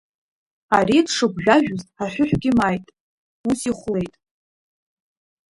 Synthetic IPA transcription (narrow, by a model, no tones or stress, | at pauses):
aɾidʰʂɨɡʷʒʷᶣaʒᶣʊztʼaħʷᶣʊħʷᶣɡʲɪmajtʼ | usiχʷle̞jtʼ